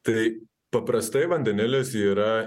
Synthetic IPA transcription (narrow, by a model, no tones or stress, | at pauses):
t̪ɐɪ | pɐpɾɐst̪ɐɪʋɐnʲd̪ʲɛnʲɪlʲɪsiːɾɐ